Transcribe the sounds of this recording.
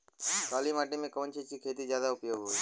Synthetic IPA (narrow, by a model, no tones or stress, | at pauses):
kaːlimaːʈemẽkəʋnt͡ʃʰet͡ʃʰikʰeːt̪izjaːd̪aʊpjoːɡɦoi